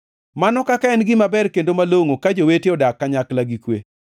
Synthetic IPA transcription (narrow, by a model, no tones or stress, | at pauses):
manɔkakaɛnɡɪmabɛrkendomaloŋokad͡ʒoweteɔdakːaɲaklaɡikwe